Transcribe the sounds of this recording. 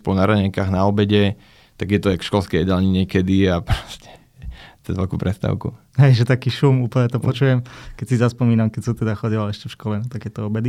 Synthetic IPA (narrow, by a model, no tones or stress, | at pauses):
pɔnaɾaɲɛŋkaːɣnaɔbɛɟɛ | t̪aɡjɛt̪ɔakʃkɔlskɛjɛd̪alɲiɲɪɛkɛd̪iapɾɔ̥scɛ̥ | t͡sɛzʋɛlkuːpɾɛst̪a̰ʊkṵ | ɦɛjʒɛt̪akiːʃumuːpl̩ɲɛt̪ɔpɔt͡ʃuːjɛmkɛcsizaspɔmiːnamkɛcsɔmt̪ɛd̪axɔɟilalɛʃcɛfʃkɔlɛnt̪aɡjɛt̪ɔɔbɛd̪i